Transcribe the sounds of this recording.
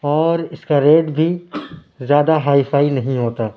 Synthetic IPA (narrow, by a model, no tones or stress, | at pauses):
ɔːɾɪskaɾeːʈbʱi | zjaːd̪aɦaːifaːinɐɦĩɦoːt̪aː